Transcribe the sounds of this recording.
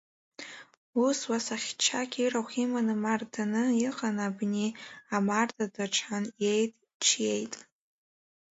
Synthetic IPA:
uswasaχʲt͡ʃʰakʲʰiraχʲimanɨmardʰanɨiqʼanabniamardʰadaʈ͡ʂʷʰħanjejtʼ | ʈ͡ʂʰjejtʼ

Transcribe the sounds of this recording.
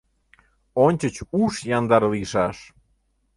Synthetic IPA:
onʲt͡ɕət͡ɕuʃjɑnd̪ɑrliʃɑʃ

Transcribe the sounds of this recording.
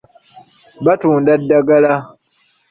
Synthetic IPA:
batũndadaɡala

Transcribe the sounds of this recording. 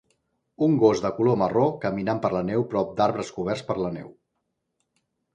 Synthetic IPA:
uŋɡozðəkulomərokəminampəɾlənɛwpɾɔp̚d̪aɾβɾəskuβ̞ɛrspəɾlənɛ̰w

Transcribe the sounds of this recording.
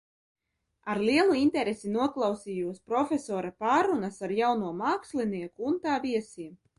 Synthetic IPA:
aɾlʲiɛlˠuint̪ɛɾesinuɔklˠawsiːjuɔspɾɔfʲesɔːɾapaːɾunasaɾjawnuɔmaːkslʲiniɛkuːnt̪aːvʲiɛsiːm

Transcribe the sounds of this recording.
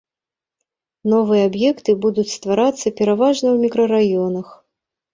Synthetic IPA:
nɔvɨjɛabjɛkt̪ɨbud̪ut͡sʲst̪vaɾat̪sːɐpʲɛɾavaʐnɐwmʲikɾɐɾajɔnɐx

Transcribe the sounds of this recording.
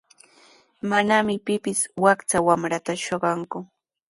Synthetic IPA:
manamɪpɪpɪswakt͡sawamɾat̪aʃoɢɑŋkʊ

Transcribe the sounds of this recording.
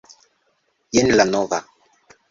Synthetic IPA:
jenlanoɣa

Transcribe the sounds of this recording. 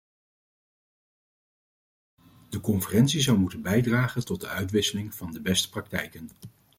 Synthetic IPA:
d̥əkɔnfərɛntsizɑwmutənbɛjdraːχəntɔt̚dəœɥtʋɪsəlɪŋv̥ɑndəbɛstə̥prɑk̚tɛ̰jkən

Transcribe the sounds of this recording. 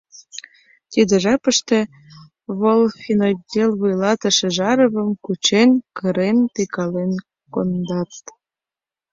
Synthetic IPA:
t̪ʲid̪ə̆ʒɑpəʃt̪e | βolfʲinodʲelβujlɑt̪əʃĕʒɑɾəβəmkut͡ɕenkəɾent̪ikɑlen | kond̪ɑt̪

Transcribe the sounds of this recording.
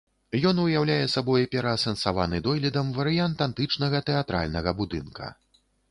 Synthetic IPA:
jɔnujawlʲajɛsabɔjipʲɛɾɐːsɛnsavanɨd̪ɔjlʲid̪ɐmvɐɾɨjant̪ant̪ɨt͡ʂnɐɣɐt̪ɛat̪ɾa̰lʲnɐɣɐbud̪ɨnkɐ̰

